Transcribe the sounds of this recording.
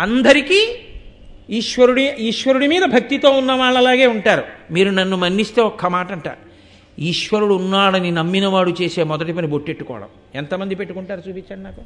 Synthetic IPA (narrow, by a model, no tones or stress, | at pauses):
ɐnd̪ɐɾikiː | iːʃʋɐɾuɽiiːʃʋɐɾuɽimiːd̪ɐbʱɐk̚t̪it̪o̞ːunːɐʋaːɭːɐlaːɡe̞ːuɳʈaːɾumiːɾunɐnːumɐnːist̪e̞ːɔkːɐmaːʈɐɳʈa̰ːɾ | iːʃʋɐɾuɽuunːaːɽɐninɐmːinɐʋaːɽut͡ʃeːse̞ːmɔd̪ɐʈip̬ɐniboʈːeʈːukɔ̰ːɽɐ̰m | ent̪ɐmɐnd̪ipe̞ʈːukuɳʈaːɾut͡ʃuːpit͡ʃːaːɽinaːku̥